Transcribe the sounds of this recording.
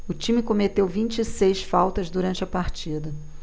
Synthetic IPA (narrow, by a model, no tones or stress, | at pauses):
ʊt͡ʃĩmɪkomet̪ewvĩnt͡ʃisejsfawt̪ɐzd̪uɾɐ̃nt͡ʃɪɐpaɾt͡ʃid̪ɐ